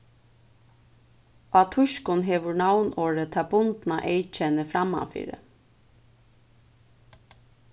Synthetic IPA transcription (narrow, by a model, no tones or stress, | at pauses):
ʔɑt̪ʰʊʃkʊnɦeːʋʊɹɳawnoːɹət̪ʰɑbʊnd̪nɑʔeɪt͡ʃɛnəfɾɑmɑ̰fɪ̰ːɾə̰